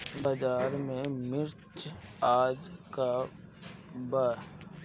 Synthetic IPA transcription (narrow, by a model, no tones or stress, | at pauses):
baːd͡ʒaːɾmẽmɪɾt͡ʃaːd͡ʒka | baɾ